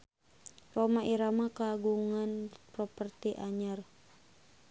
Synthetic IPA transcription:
romaʔiɾamakaɡuŋanprɔpərt̪iʔaɲər

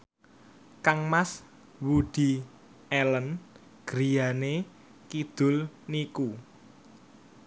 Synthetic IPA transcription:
kaŋmas | wud̪̥i̤ | elən | ɡ̥ɾijane | kid̪̥ʊ̤lniku

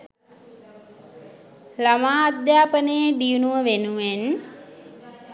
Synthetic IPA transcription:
lamaːad̪jaːpənəjeɖijunuʋəʋenuʋen

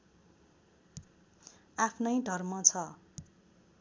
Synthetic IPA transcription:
apʰnʌjɖʱʌrmʌt͡sʰʌ

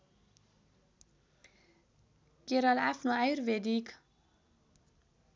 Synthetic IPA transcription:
ɡ̥eɾɑlæfnoɑʉɾʋeːd̪iːk

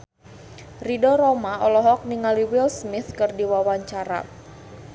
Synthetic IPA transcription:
ridɔɾɔmaɔlɔɦɔk̚niŋaliwɪlsmɪθkɨrdiwawaɲt͡ʃaɾa̰

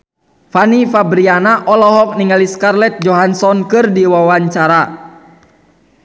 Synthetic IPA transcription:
fanifabɾianaʔɔlɔɦɔk̚niŋaliskarlɛt̪̚d͡ʒɔɦansɔnkɨrdiwawaɲt͡ʃaɾa

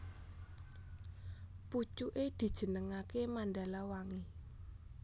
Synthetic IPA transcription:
put͡ʃuʔed̪̥i̤d̥ʒ̥ə̤nəŋakemanɖalawaŋe

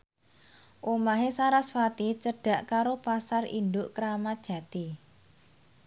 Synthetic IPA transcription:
ʔomaɦesaɾasfat̪it͡ʃəɖ̥ä̤ʔkaɾopasarḭnd̪ʊʔkɾamḁʒ̥ä̤t̪i

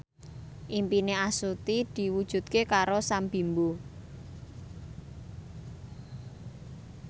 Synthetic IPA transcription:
ʔimpineasut̪id̪̥i̤wud̥ʒ̥ṳt̪̚kekaɾosambi̤mbu

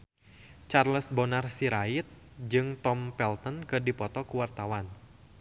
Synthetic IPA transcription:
t͡ʃarləsbɔnarsiɾaɪt̪̚ | d͡ʒɨŋt̪ɔmpɛlt̪ənkɨrdipɔt̪ɔkuwart̪awan

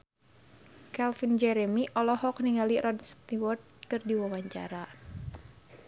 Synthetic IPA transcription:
kɛlfind͡ʒɛɾɛmiʔɔlɔhɔk̚niŋaliɾɔdst̪iwɔrt̪̚kɨrdiwawaɲt͡ʃa̰ɾa

